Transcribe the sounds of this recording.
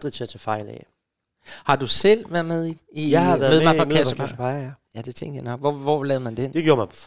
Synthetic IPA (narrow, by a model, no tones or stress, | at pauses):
d̥ʁit͡sʰe̝æt͡sʰɛfɑ̈ɪ̰lɛ̰ | hɑ̈d̥usel̰ʋæɐ̰ðˠmeð̞ˠi | iɪhɑæðːð̩ˠmɑpʰɒ̽kʰæəɑspʰɑɪæjæd̥e̝t͡sʰeŋ̰d̥jɑɪnɒ̽ɡ̥ʋɒʋɒlɛːʊmænd̥end̥e̝ɡ̥jo̝ːɐmɑ